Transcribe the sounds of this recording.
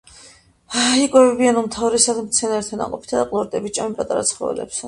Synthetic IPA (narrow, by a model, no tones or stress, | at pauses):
ikʼwɛvɛbianumt̪ʰavɾɛsad̪ʰmt̪sʰɛnaɾt̪ʰana̰qʼɔpʰi̥t̪ʰad̪aqʼlˠɔɾd̪ɛbit͡ʃʼamipʼat̪ʼaɾat̪sʰχɔɛ̰lɛ̰ps